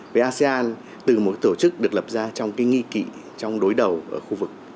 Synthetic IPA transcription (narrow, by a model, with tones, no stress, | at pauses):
vəː˨˦ʔaː˧se˧ʔaː˧n | t̪ɨ˨˩mo˨˩t̚t̪o˧˩t͡ɕɨ˦˥k̚ɗɨ˨˩ək̚lə˨˩p̚zaː˧t͡ɕɔ˧wŋ͡mkaː˨˦jŋi˧kḭ˧˨ | t͡ɕɔ˧wŋ͡mɗo˨˦jɗə˨˩wʔəː˧˩xu˧vɨ˨˩k̚